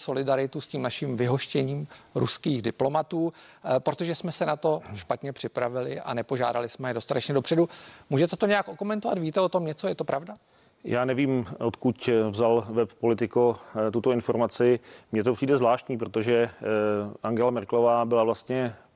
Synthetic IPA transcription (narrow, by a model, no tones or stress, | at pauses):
so̞lɪdaɾɪt̪usciːmnaʃimvɪɦo̞ʃcɛɲiːmɾuskiːɣdɪplo̞mat̪uːpɾo̞t̪o̞ʒɛsmɛsɛnat̪o̞ʃpat̪ɲɛpr̥ɪpɾavɪlɪʔa̰nɛpo̞ʒa̰ːda̰lɪsmɛjɛdo̞st̪at̪ɛt͡ʃɲɛdo̞pr̥ɛdumuːʒɛt̪ɛt̪oɲɛjakʔoko̞mɛnt̪ovat̪viːt̪ɛo̞t̪o̞mɲɛt͡sojɛt̪o̞pɾavda | jaːnɛviːmʔot̪kucvzalvɛppolɪt̪ɪkot̪ut̪oɪnfoɾmat͡sɪmɲɛt̪opr̝̥iːdɛzvlaːʃt̪ɲiːpɾot̪oʒɛ | ʔaŋɡɛlamɛɾklovaːbɪlavlast̪ɲɛ